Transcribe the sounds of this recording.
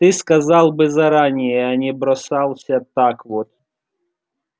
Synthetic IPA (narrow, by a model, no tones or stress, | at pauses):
t̪ɪskɐzɑlˠbɪzɐɾɑnʲɪjɛɐnʲɛbɾɔsɑlˠsʲɐt̪ɑkʋɔt̪